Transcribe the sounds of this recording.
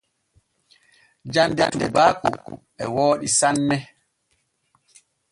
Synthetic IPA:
d͡ʒanda̰ndɛ̰baːkṵ | ɛ̰woːɗisanːɛ

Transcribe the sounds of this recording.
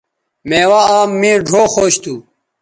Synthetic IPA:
mẽːwaːaːmːĩːɖʱoːxoːɕt̪ʰuː

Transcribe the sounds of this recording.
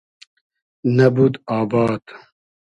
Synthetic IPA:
nɐbud̪aːbaːd̪

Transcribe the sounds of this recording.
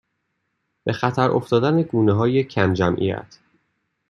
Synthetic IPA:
b̥e̞xæt̪ʰæɾʔo̰ft̪ɒːd̪æneɡuːneɦɒːjecʰæmd͡ʒæmʔḭjæ̰t̪ʰ

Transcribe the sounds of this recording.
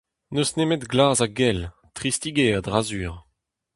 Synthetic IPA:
nøsnemetɡlaːzaɡɛl | t̪χist̪iɡeːad̪ʁazyːʁ

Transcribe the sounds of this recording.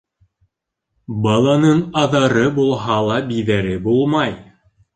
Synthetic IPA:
bɑlˠɑnɤnɑðɑɾɤbulˠɦɑlˠɑbiðæɾɘbulˠmɑj

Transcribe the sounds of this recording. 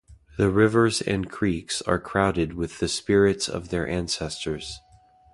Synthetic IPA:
ðɨɹɪvə˞zɨ̰̃nkʰɹ̥iksə̰˞kʰɹ̥aʊɾɨd̚wɨðɨspɪɹɪtsʌ̰vðə˞ʔæ̃nsɛstʰə˞z̥

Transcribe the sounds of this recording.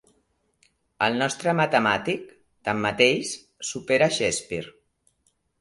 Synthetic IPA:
əlˠnɔst̪ɾəmət̪əmat̪ik̚ | t̪amːət̪ejs | supeɾaʃɛspiɾ

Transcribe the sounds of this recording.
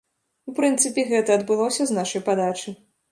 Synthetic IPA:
upɾɨnt̪sɨpʲɛɣɛt̪ɐɐd̪bɨlˠɔsʲɐznaʂɐjpad̪at͡ʂɨ

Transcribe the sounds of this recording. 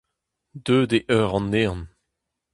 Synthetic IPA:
d̪øːd̪eʔœʁɑ̃nːeːʁn

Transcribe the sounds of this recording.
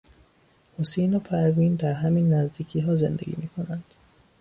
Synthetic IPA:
hosejnopʰæɾviːnd̪æɾɦæmiːnːæzd̪iːcʰiːɦɒːze̞̰nd̪ḛɡʲḭːmiːkʰo̞nænd̪̥

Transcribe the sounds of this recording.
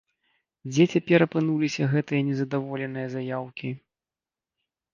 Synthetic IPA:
d͡zʲɛt͡sʲapʲɛɾɐpɨnulʲisʲɐɣɛt̪ɨjɐnʲɛzɐd̪avɔlʲɛnɨjɐzajawkʲi

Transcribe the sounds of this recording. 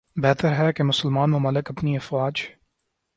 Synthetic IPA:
bɛːt̪əɾɦɛkemʊsəlmaːnmʊmalɪkɐpniɐfwaːd͡ʒ

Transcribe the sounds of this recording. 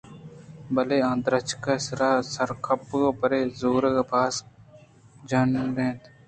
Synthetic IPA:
bəleːãːnd̪ɾət͡ʃkasɾaːsəɾkʰəpɡoːpəɾeːzoːɾɡaːpaːs | d͡ʒɐnɾẽːt̪

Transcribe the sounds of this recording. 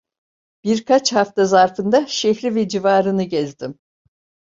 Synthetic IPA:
b̥iɾkʰat͡ʃhaft̪azaɾfɯnd̪aʃɛçɾivɛd͡ʒivaːɾɯnɯɟɛzd̪im

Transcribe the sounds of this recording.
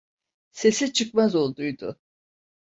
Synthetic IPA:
se̞sit͡ʃʰɯk̚mazo̞lˠd̪ujd̪ʊ̰

